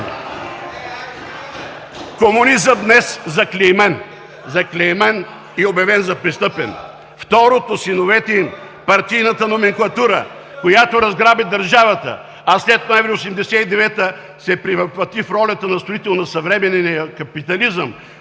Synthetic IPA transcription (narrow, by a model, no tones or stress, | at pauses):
komʊnizəmd̪nɛszɐklʲɛjmɛn | zɐklʲɛmɛn | iobjɐvɛnzɐpɾist̪ɤpɛ̰n | ft̪ɔɾot̪osinovɛt̪ɛim | pɐɾt̪ijnɐt̪ənomɛŋklˠɐt̪uɾə̰ | kojat̪oɾɐzɡɾabid̪ɐɾʒavɐt̪ə̰ | ɐslɛt̪̚noɛvɾiosɛmd̪ɛsɛid̪ɛvɛt̪ə | sɛpɾivɐplɐt̪ifɾɔlʲɐt̪ənɐst̪ɾoit̪ɛlˠnɐsɐvɾɛmɛnɛnjɐkɐpit̪ɐlizəm